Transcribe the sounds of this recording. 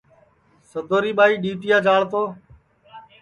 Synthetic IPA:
səd̪ʱoːɾiːɓaːiːɗiːt̪ɪjaːd͡ʒaːɭt̪oː

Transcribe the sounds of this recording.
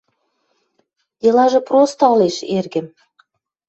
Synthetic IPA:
jɤlɑʒɤ̆prost̪ɑleʃerɡɘ̆m

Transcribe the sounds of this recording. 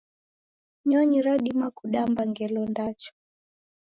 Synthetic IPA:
ɲɔɲiɾaɗimakuɗambaŋɡɛlɔndat͡ʃɔ̥

